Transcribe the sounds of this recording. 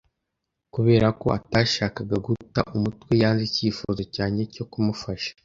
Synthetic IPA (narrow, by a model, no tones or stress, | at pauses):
kuβe̞ːɾako̞ataːʃaːkaɡaɡuta̰ʔumutwe̞jaːnziciːfozo̞caːɲe̞co̞kumufaʃḁ